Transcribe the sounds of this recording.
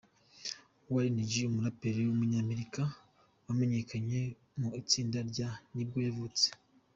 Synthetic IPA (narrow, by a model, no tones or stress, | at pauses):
waɾiniɟiumuɾapeɾewumuɲaːme̞ɾika | wame̞ɲe̞kaɲe̞ | muit͡siːndaɾɟanibɡo̞javut͡se̥